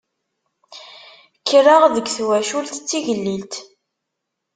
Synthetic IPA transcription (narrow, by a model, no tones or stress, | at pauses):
kʰːərəʁðəɡθwæʃult̪t͡sːiʝəlːilt̪